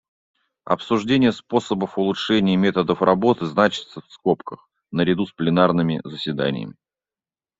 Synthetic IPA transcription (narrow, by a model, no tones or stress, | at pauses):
ɐ̰psʊʐdʲenʲɪjəspo̞səbəfʊlˠʊtʂɛnʲɪːmʲe̞t̪əd̪əfrɐbo̞t̪ɨznat͡ɕɪ̥t̪səfsko̞pkəx | nəɾʲɪd̪usplʲɪnarnɨmʲɪ̰zəsʲvʲɪd̪a̰nʲɪ̰jə̰mʲɪ